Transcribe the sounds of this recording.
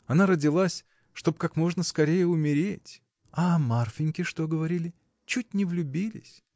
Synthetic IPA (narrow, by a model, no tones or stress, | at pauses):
ɐnaɾədʲɪlˠasʲ | ʂt̪o̞pkakmo̞ʐnəskɐɾʲejəʊmʲɪɾʲetʲ | ɐmarfʲɪnʲkʲɪʂt̪o̞ɡəvɐɾʲilʲɪ | t͡ɕut̚ʲnʲɪvlʲʊbʲilʲɪ̰sʲ